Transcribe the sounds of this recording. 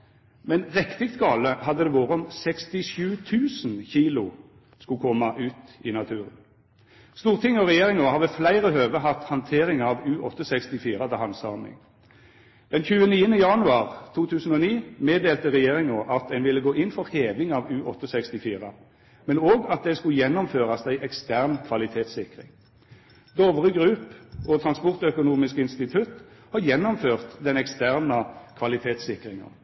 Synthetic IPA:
mɛnʁɛkt̪ɪkt̪ɡɑːləɦɑd̪ːəd̪ɛːʋoːʁəɔmsɛkst̪ɪʃʉːt̪ʰʉːsn̩çiːlʊ | skʊkʰɔmːɑʔʉːt̪ɪnɑt̪ʰʉːʁə̰n | st̪uːʁt̪ʰɪŋːɔʁɛjeːʁɪŋɔhɑːʁʋɛflæɪʁəhøːʋəɦɑt̪hɑnt̪ʰeːʁɪŋɑːʋʉːʔɔt̪ːəsɛkst̪ɪfiːʁɑt̪əhɑnsɑːmɪ̰ŋ | d̪̥ɛnçʉːəniːənəjɑnʉɑːʁt̪ʰuːt̪ʰʉːsən̩oːniːmeːd̪eːlt̪əʁɛjeːʁɪŋoːʔɑt̪æɪnʋɪlːəɡoːʔɪnfɔʁheːʋɪŋɑːʋʉːʔɔt̪ːəsɛkst̪ɪfiːʁə | mɛnoːɡɑt̪̚d̪ɛskʉjɛnːɔmføːʁɑsd̪æɪʔɛkst̪æʁnkʰʋɑlɪt̪ʰeːt̪sɪkʁɪ̰ŋ | d̪oːʋəʁəɡʁʉːpɔt̪ʰʁɑnspɔʁt̪œkʊnuːmɪskɪnst̪ɪt̪ʰʉt̪hɑjɛnːɔmføːʁt̪d̪ɛnɛkst̪æʁnəkʰʋɑlɪt̪ʰeːt̪sɪkʁɪŋɑ̰

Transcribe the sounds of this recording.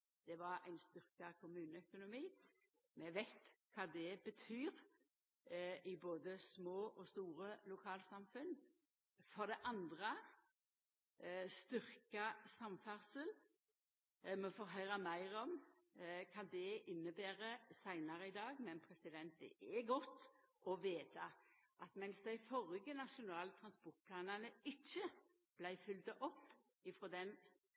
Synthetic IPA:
d̪̥ɛʋɑɾæ̰ɪnst̪ʏɾkɑkʰʊmʉːnəœkʊnʊmiː | mɛʋæɪt̪kʰɑːd̪ɛbət̪ʰyːɾ | ʔɪboːd̪əsmoːʔɔst̪uːɾəlʊkʰɑːlsɑmfʉn | fɔɾd̪ɛʔɑnd̪ʁə | st̪ʏɾkəsɑmfæɾsəl | mɔfɔːɾɦœʏɾəmæɪɾɔm | kʰɑnd̪ɛɪnːəbæːɾəsæɪnɑɾəɪd̪ɑːɡmɛnpʰɾɛsɪd̪ɛnt̪̚ɛ̰ʔɛɡɔt̪ːɔʋeːt̪ɑʔɑt̪mɛnsd̪æɪfɔɾɪɡənɑʂʊnɑːlt̪ʰɾʁɑnspɔʁt̪̚pʰlɑːnənəɪt͡ʃːə | b̥læɪfʏlt̪əʔɔpː | ɪfɾɔd̪ɛn

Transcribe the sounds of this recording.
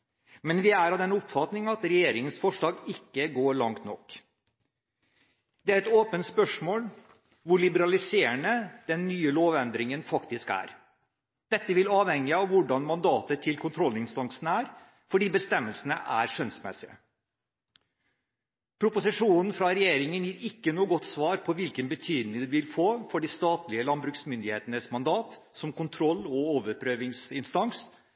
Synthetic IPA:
mɛnʋɪæɾɑʋd̪ɛnʊpfɑt̪nɪŋɑt̪ɾɛjeːɾɪŋənsfɔʂɭɑːɡɪkːəɡoːɾɭɑŋt̪nɔkː | d̪̥ɛæɾɛt̪oːpənt̪spœʂmoːl | ʋʊɭɪbəɾɑlɪseːəɳəd̪̥ɛnːyːəloːʋɛnd̪ɾɪŋənfɑkt̪ɪskæ̰ːɾ | d̪̥ɛt̪ːəʋɪlɑːʋhɛŋːɪɑʋʋʊɖɑnmɑnd̪ɑːt̪ət̪ʰɪlkʰʊnt̪ʰɾɔlɪŋst̪ɑŋsn̩æːɾ | fɔɖiːbəst̪ɛmːəlsənə̰ʔæ̰ːɾʂœnsmɛ̰sɪə̰ | pʰɾʊpʊsɪʂuːnn̩fɾɑɾɛjeːɾɪŋənjiːɾɪkːənuːəɡɔt̪ːsʋɑːɾpʰɔʋɪlkənbət̪ʰyːd̪nɪŋd̪ɛʋɪlfoːfɔɖiːst̪ɑːt̪lɪəlɑnbɾʉksmʏnd̪ɪheːt̪ənəsmɑnd̪ɑːt̪ | sɔmkʊnt̪ʰɾɔlːɔoːʋəɾpʰɾøːʋɪŋsɪnst̪ɑŋs

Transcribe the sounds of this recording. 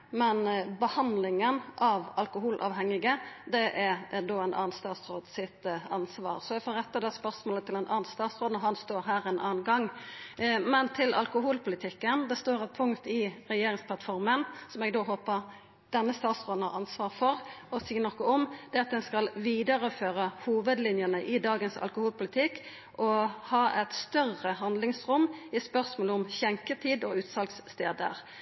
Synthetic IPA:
mɛnbəhɑnd̪lɪŋənʔɑʋɑlkʊɦuːlʔɑ̰ːʋɦɛŋːɪɡəd̪ɛʔæɾd̪oːænʔɑ̰ːnst̪ɑːt̪sɾoːd̪sɪt̪ɑnsʋɑ̰ːʁsɔɛɡfoːɾɛt̪ːəd̪ɛspœɾsmoːlət̪ʰɪlɛnʔɑːnst̪ɑːt̪sʁoːd̪n̩ɔɦɑnst̪oːɾɦæːɾɛːnʔɑːnɡɑŋː | mɛnt̪ʰɪlɑ̰lkʊɦuːlpʰʊlɪt̪ʰɪkːənd̪ɛst̪oːɾɑtpʰʊŋkt̪ɪɾɛjeːɾɪŋspʰlɑt̪fɔɾmənsɔmɛɡd̪oːɦoːpəʁ | d̪̥ɛnːəst̪ɑːt̪sʁoːd̪n̩hɑ̰ʁɑnsʋɑːʁfɔʁɔsiːənɔkːɔɔmd̪̥ɛɑt̪̚d̪ɛnskɑlʋiːd̪əʁəføːʁəhuːʋəd̪lɪnjənəʔɪd̪ɑːɡənsɑ̰lkʊhuːlpʰʊlɪt̪ʰɪkː | ʔɔhɑːʔɛt̪st̪œʁəɦɑnd̪lɪŋsʁʊmːɪspœʁsmoːləɔmçɛŋkət̪ʰiːd̪ɔʉːt̪sɑlksst̪eːd̪ə̰ʁ

